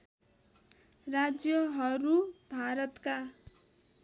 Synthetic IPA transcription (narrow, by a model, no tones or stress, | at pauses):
rad͡zjʌɦʌɾubʱaɾʌt̪ka